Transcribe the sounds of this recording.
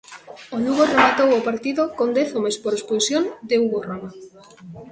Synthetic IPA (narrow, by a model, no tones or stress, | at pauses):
onuɣoremat̪owopaɾt̪iðokond̪eθomespoɾespusjond̪euɣoroma